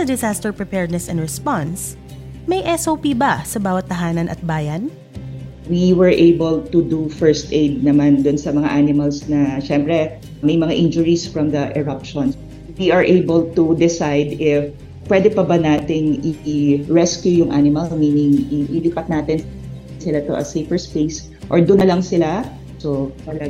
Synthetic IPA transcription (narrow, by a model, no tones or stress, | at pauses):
sɐd̪ɪsast̪ɛɹpɹɛpɛɹd̪̚nɛsɛnɹɛspans | mɐjʔɛsʔowpibɐsɐbaːwɐt̪̚ːɐɦaːnɐnʔɐ̰t̪̚baːjɐn | wiwɛɹʔejbɛlt̪ud̪ufɛɹst̪ʔejd̪̚nɐmand̪ʊnsɐmɐŋa̰ʔanɪmɐlsnɐʃɛmpɾɛ | mɐjmɐŋaʔɪnd͡ʒʊɹisfɹɐmd̪ɐʔɛɹapʃɔns | wiʔɐɹʔejbɛlt̪ud̪ɪsajd̪ɪf | pːwɛd̪ɛpɐbɐnaːt̪ɪŋʔɪɹɛskjujʊŋʔanɪmɐlmiːnɪŋʔɪʔliːpɐt̪̚naːt̪ɪn | sɪlat̪o̰ʔɐ̰sejfɛɹspejs | ʔoɹd̪ʊnːɐlɐŋsɪla | sot̪ɐlɐ